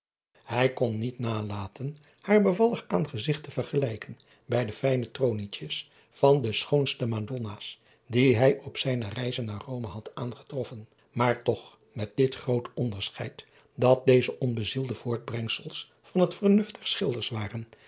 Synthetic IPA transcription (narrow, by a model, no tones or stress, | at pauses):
hɛjkɔnːitnaːlaːtʰən | haːɹbəvɑlˠəχaːnχəzɪχtəv̥əɹχəlɛjkən | bɛjdəfɛjnətrownitəs | fɑndəsχownstəmandɔnaːs | diɦɛjʔɔpsɛjnərɛjzənːaːrowməɦɑtaːnχə̥trɔfən | maːɹtɔχ | mɛt̚dɪtχrowtɔndəɹsχɛjt | dɑt̚dejzəʔɔnbəzilˠdəv̥ʊːɹd̚brɛŋsəlˠs | fɑnɦətfəɹnɵfdɛɹsχɪlˠdəɹsʋaːrən